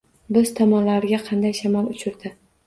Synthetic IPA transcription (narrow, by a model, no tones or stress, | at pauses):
bɪz̥t̪ʰamɒlaɾɪɡʲaqʰɑnd̪ajʃamalʊt͡ʃʰɪɾd̪ɪ